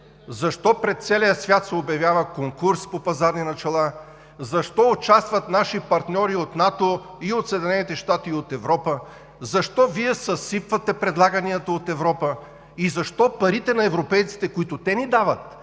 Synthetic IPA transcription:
zɐʃt̪ɔpɾɛt̪t̪sɛlijəsvʲjat̪sɛobjɐvʲjavəkoŋkuɾspopɐzaɾninɐt͡ʃɐlˠa | zɐʃt̪ɔʊt͡ʃast̪vɐt̪naʃipɐɾt̪nʲɔɾiot̪nat̪o | iot̪sɛd̪ʲinɛnit̪ɛʃt̪at̪iot̪ɛvɾɔpə | zɐʃt̪ɔviɛsɐsipvət̪ɛpɾɛd̪lˠaɡɐniɐt̪əot̪ɛvɾɔpə | izɐʃt̪ɔpɐɾit̪ɛnɐɛvɾopɛjt̪si̥t̪ɛkʊit̪ʊt̪ɛnid̪avət̪̚

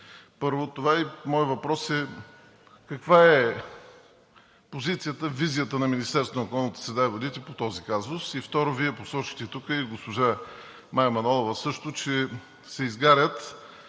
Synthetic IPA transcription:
pɤɾvot̪ovaimɔjvɐpɾɔsɛ | kɐkvaɛ | pozit̪sijət̪əvizijət̪ənɐminist̪ɛɾsonəokoɔlnət̪ə̥sɛd̪aɛvod̪it̪ɛpot̪ɔzikazʊsift̪ɔɾoviɛposɔt͡ʃi̥xt̪ɛt̪ukəiɡospoʒa | majmɐnɔlˠovəsɤʃt̪ʊt͡ʃɛ | sɛizɡaɾʲət̪

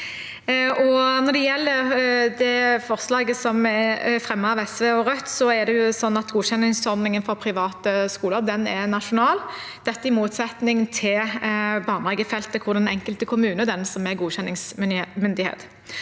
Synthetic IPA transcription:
ʔɔnɔʁd̪ɛjɛlːəɾd̪ɛfɔʁslɑːɡəsɔmɛfɾɛmːəɑʋɛsʋeːɔɾœt̪ːsɔɛd̪ɛjʊsɔnːɑt̪ɡuːɕɛnːɪŋsɔɾd̪nɪŋənfɔpʰɾɪʋɑːt̪əskuːləɾd̪ɛnɛɾnɑʂʊnɑːl | d̪̥ɛt̪ːəɪmuːt̪sɛt̪nɪŋt̪ʰɪlbɑːʁnɑɡəfɛlt̪əkʰʊɾd̪ɛnɛŋkəlt̪əkʰʊmʉːnəd̪ɛnsɔmɛɡuːɕɛnːɪŋsmʏnd̪ɪhḛːt̪

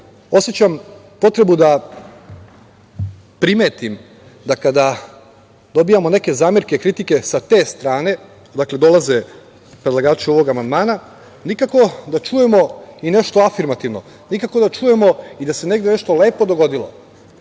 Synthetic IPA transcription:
o̞sjet͡ɕam | po̞t̪ɾe̞bud̪a | pɾime̞ːt̪im | d̪akad̪a | d̪o̞bijamo̞ne̞ke̞zaːmjeɾke̞kɾit̪ike̞sat̪e̞st̪ɾaːne̞ | d̪akle̞d̪o̞lˠaze̞ | pɾed̪lˠaɡaːt͡ʃuo̞ʋo̞ɡamand̪maːna | nikako̞d̪at͡ʃuːje̞mo̞ine̞ʃt̪o̞afiɾmat̪iʋno̞̰ | nikakod̪at͡ʃuːje̞mo̞id̪ase̞ne̞ɡd̪e̞ne̞ʃt̪o̞le̞ːpo̞d̪o̞ɡo̞d̪ilo̰

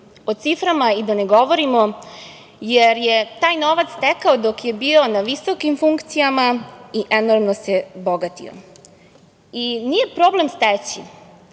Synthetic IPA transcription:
ot̪sifɾamaid̪aneɡo̞ʋoɾimo̞ | jeɾjet̪aːjno̞ʋat̪st̪ekaod̪okje̞biːo̞naʋisokimfuŋkt̪sijamaiʔenoɾmnosebo̞ɡat̪ḭo̰ | inije̞pɾo̞ːble̞mst̪et͡ɕi

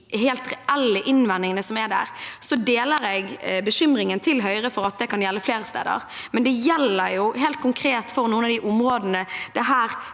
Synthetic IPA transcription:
ɦeːlt̪ʁɛɛlːɪʔɪnʋɛnːɪŋənəsɔmæɖæ̰ːʁsɔd̪eːləɾɛɡbəɕʏmɾɪŋənt̪ʰɪlɦœʏɾəfɔɾɑt̪̚d̪ɛkʰɑnjɛlːəfleːɾəst̪ḛːd̪ə̰ɾmɛnd̪ɛjɛlːəɾjʊɦeːlt̪̚kʰʊŋkʰɾeːt̪fɔɾnuːənɑʋd̪ɪʔʊmʁoːd̪nəd̪ɛɦæːɾ

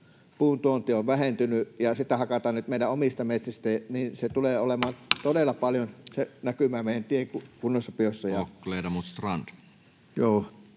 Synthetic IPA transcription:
puːnt̪uont̪ioʋʋæhent̪ynyjɑsit̪ːˑæhɑkɑt̪ɑːnnyt̪meˑidæʔomist̪ɑmet̪sist̪æniːnset̪uleːolemɑːnt̪odelːˑɑpɑljonsenækymˑæːmeˑijænt̪ieŋkukunːosːɑpiosːɑjɑkːleːdɑmut̪st̪rɑnd̥̪ | joː

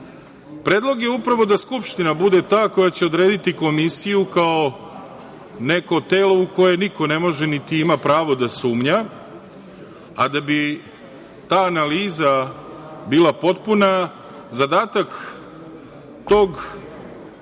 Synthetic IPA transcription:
pɾe̞ːd̪lˠo̞ɡje̞upɾaʋo̞d̪askupʃt̪inabud̪e̞t̪aːko̞jat͡ɕe̞o̞d̪ɾe̞ːd̪it̪iko̞misijukao | ne̞ko̞t̪e̞ːlo̞uko̞je̞niko̞ne̞mo̞ʒenit̪iimapɾaːʋo̞d̪asuːmɲa | ad̪abi | t̪aːnaliːza | biːlˠapo̞t̪puna | zad̪aːt̪ak | t̪o̞ɡ

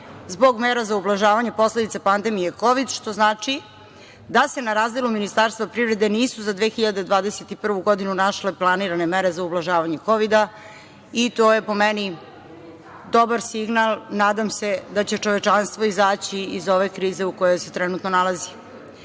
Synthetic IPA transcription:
zbo̞ɡmeɾazaublaʒaːʋaɲe̞po̞sle̞d̪it̪apand̪emijeko̞ʋid̪ʃt̪o̞znaːt͡ʂi | d̪ase̞naɾaːzd̪eluminist̪aɾst̪vapɾivɾe̞d̪e̞niːsuzad̪ʋexiʎad̪ed̪ʋaːd̪eset̪ipr̩ʋuɡo̞d̪inunaʃle̞plˠaniɾane̞meɾe̞zaublaʒaːʋaɲe̞ko̞ʋid̪a | it̪oːjepo̞mɛni | d̪obaɾsiɡnalˠnaːd̪amse̞d̪at͡ɕe̞t͡ʂo̞ʋe̞t͡ʂanst̪vʋoizaːt͡ɕiizo̞ʋekɾiːze̞ukojojset̪ɾɛnut̪nonalazi

